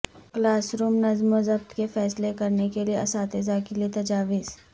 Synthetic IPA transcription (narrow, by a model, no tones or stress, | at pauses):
klaːsɾuːmnɐzmozɐbt̪kefɛːslekɐɾnekelieɐsaːt̪ezakiliet̪ɐd͡ʒaːʋɪz̥